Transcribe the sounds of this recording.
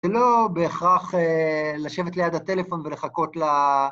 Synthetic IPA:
elo̞be̞ːχʁaχelaʃe̞vetlejad̪at̪e̞lefo̞nvele̞χako̞t̪la

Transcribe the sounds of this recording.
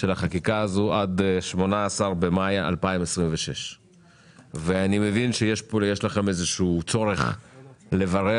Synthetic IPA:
ʃelaχakikaːzoad̪ʃmo̞naːsaʁbemajaa̰lpaimesʁimveʃe̞̰ʃ | veanime̞vinʃejeʃpojeʃlaχe̞mezeʃuːt͡so̞ʁe̞χle̞vaʁe

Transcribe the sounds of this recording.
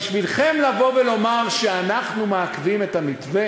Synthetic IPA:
ʃvilχemlavo̞velo̞maʁʃeanaχnumeakvimetamit̪ve

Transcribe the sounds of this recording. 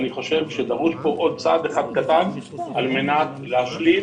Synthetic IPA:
niχo̞ʃe̞vʃed̪aʁuʃpo̞ʔod̪̚t͡sad̪eχad̪̚kat̪an | ʔalmenat | leaʃli

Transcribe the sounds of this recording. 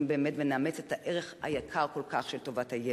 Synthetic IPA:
mbeːmetveneamet͡setaʔeʁeχha̰jakʰaʁko̞lkaχʃelto̞vathaje

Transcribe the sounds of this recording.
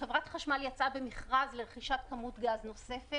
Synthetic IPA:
χevʁatχaʃmaljat͡sabe̞miχʁazleʁeχiʃatkamutɡazno̞se̞fe

